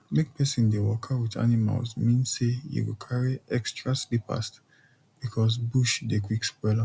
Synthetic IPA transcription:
mek̚pʰɛsĩndewɔkʰawiða̰nima̰lsmĩnsejṵwḭlkʰaɹiɛkstɹaslipa̰st | b̥ikʰɔsbuʃdekwikspwɛla

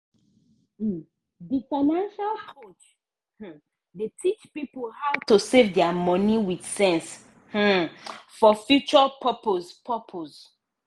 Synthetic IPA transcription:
difamãnʃalkʰot͡ʃ | h̩ | detʰit͡ʃpipolhaʊtusevdɛamɔ̃niwidsɛ̃ns | h̩fɔfjut͡ʃɔpʰəpozpʰəpʰoz

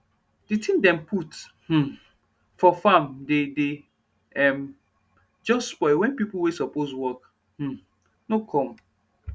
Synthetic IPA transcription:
d̥itʰĩmdɛ̃mpʰut | h̩ | fɔfãmdede | ɛm | d͡ʒɔsspɔɪwɛ̃npipuwesɔposwɔk | h̩ | nokʰɔ̃m

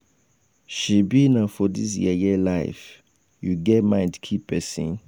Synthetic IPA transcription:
ʃibinafɔdis̬jḭəjilaɪf | juɡɛtmãɪ̃ndkʰipɛsḭ̃n

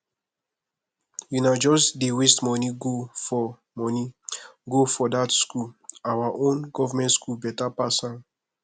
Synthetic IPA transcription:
junad͡ʒɔsdiwistmɔniɡofɔ | mɔniɡofɔdatskulawaʔõnɡɔvamɛ̃ntskubɛtapasãn

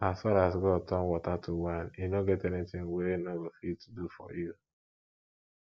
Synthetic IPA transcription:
asfaɾasɡɔtʰɔ̃nwɔtatʰuwãninoɡɛtɛnitɪ̃ŋweinowifid̚tudufɔ̰ju

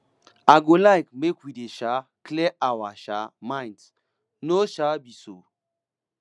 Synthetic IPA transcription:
aɡolajkmekwideʃaklɛʔawaʃa̰mãj̃nds | noʃabiso̰

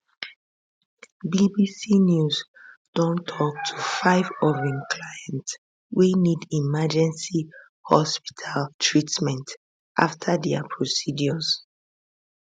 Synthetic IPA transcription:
bibisinjuz | d̥õntʰɔk̚tʰu̥faɪvɔvĩnkʰlajɛ̃nts | winidimad͡ʒɛ̃nsi | hɔ̰spi̥tʰaltʰɹitmɛ̃nt | ʔaftʰadɛapʰɹosidjɔs

